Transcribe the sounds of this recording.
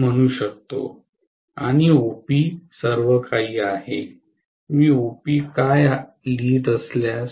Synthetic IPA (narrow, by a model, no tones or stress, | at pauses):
m̤əɽ̃uːɕək̚t̪o̰ | aɽ̃iopiːsəɾʋəkʰaiːahe | miːopiːkaj | liːd̪əslja